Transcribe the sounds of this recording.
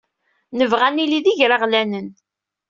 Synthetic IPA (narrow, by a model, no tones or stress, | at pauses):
nəvʁæniliðiʝɾaʁlænən